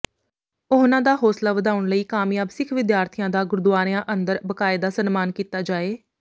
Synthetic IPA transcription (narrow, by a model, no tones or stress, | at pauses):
oɦnãːd̪aːɦoːslaːʋəd̪aːʊɳləiːkaːmjaːbsɪkʰʋɪd̪jaːɾt̪ʰijãːd̪aːɡʊɾd̪ʊʋaːɾɪjãːʔənd̪əɾbəkaːɪd̪aːsənmaːnkiːt̪aːd͡ʒaːeː